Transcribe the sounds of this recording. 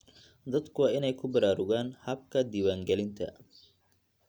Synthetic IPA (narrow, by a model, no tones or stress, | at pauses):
d̪ɐd̪kʰʊwaːɪnɛjkʰʊbɐɾaːɾʊɣaːnhɐb̚kʰɐd̪ɪwaːŋɡɛlɪnt̪ʰɐ̰